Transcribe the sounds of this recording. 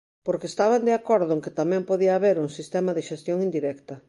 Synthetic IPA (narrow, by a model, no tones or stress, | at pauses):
poɾkeːst̪aβand̪eakoɾðʊeŋkɪt̪amɛ̃mpoðiaːβeɾuŋsist̪ɛmaðɪʃest̪joŋind̪iɾɛkt̪ɐ